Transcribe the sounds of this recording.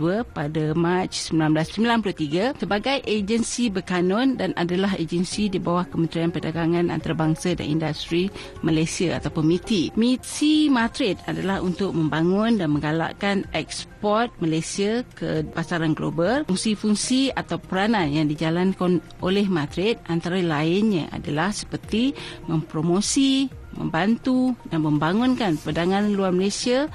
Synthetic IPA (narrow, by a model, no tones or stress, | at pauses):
uəpadamat͡ʃsəmbilanmblasəmbilanplot̪iɡasəbaɡajʔed͡ʒənsibəkanɔ̃ndanʔa̰dalaɦḛd͡ʒənsidibawahkəmənt̪ɾianpərdaɡaŋãnʔa̰nt̪aɾabaŋsada̰nḭndast̪ɾi | məlajsiaa̰t̪apʊnmit̪imit̪simat̪ɾɪt̪̚adalahunt̪ʊk̚mə̃mbaŋʊndanmə̃ŋɡala̰ʔkanʔɛk̚spɔrt̪̚məlajsiakəpasaɾanɡlo̰balfuŋsifuŋsiat̪awpəɾananjaŋdid͡ʒalankan | olɛhmat̪ɾɪt̪̚ʔant̪aɾalaɪnɲa̰ʔa̰dalahsə̥pərt̪imə̃mpɾomosimə̰̃mbant̪udanmə̃mbaŋʊnkanpadaŋãnluarməlasia